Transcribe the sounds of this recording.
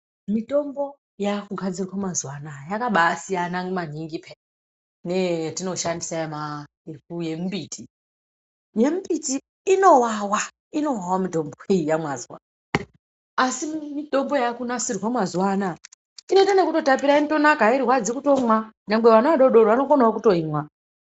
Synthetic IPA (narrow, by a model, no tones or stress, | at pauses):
mito̞mbo̞ | jakuɡʱad͡zirwamazwanajakaɓaːsijanaŋɡmaniŋɡipʰe | netino̞ʃandisaema | ikujembiːtʰi | jembitiː | no̞wawa | ino̞wawamidʱo̞mboejijamwazwa̰naː | simidʱo̞mbo̞jakunasirɣwamwazwana | ino̞tanekuto̞tapiɾaimito̞nakaiɾiɦwad͡zikuto̞mwanaŋbeʋanaʋaɗoɗoɾoʋano̞fonaokuto̞imwa